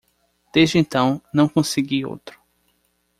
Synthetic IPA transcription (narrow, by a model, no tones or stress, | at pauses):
d̪̥ezd͡ʒɪẽnt̪ɐ̃w̃nɐ̃w̃kõsɪɡio̰wt̪ɾʊ̥